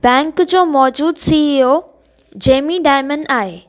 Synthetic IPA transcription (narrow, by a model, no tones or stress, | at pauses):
bɛ̃ːŋkd͡ʑoːmɔːd͡ʑuːd̪siio | d͡ʑeːmiɖaːɪmənɖaːɦeː